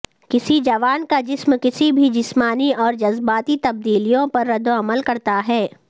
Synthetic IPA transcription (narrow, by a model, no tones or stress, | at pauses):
kɪsid͡ʒɐʋaːnkad͡ʒɪsmkɪsibʱid͡ʒɪsmaːniɔːɾd͡ʒɐzbaːt̪it̪ɐb̚d̪iːlijõpɐɾːɐd̪oɐməlkɐɾt̪aɦɛː